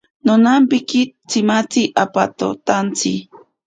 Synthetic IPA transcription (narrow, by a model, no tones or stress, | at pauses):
nonampɪkit͡sɪmat͡siʔapa̰t̪o̰t̪ant͡si